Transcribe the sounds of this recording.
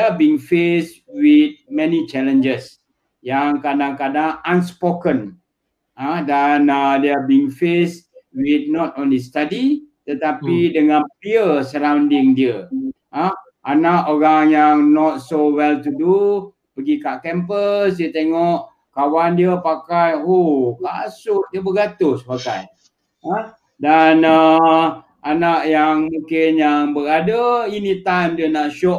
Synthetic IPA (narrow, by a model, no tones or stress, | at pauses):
deabiŋfeswit̪̚mɛ̃nit͡ʃɛlə̃nd͡ʒəs | jaŋkadãŋkadãŋãnspokə̃n | adɛnadeabiŋfeswit̪̚nɔtɔ̃nlistadit̪ət̪apidəŋãnpiəsəɾãwndĩŋdiə | a | ʔanaʔoɹaŋjaŋnɔt̪̚sowɛlt̪udu | pəɡikaʔkɛmpəsdiət̪eŋɔʔ | kawandiəpakajoka̰sʊʔdiəbəɡat̪ʊspaɡa̰j | a | dana | anaʔjaŋmũŋkɪnjaŋbəɾadainit̪ajmdiənaʔʃɔʔ